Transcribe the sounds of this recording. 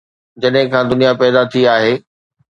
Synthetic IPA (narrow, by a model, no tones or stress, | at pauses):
d͡ʑɐɗɦɪ̃kʰãːd̪ʊnijapɛːd̪at̪ʰiaːɦeː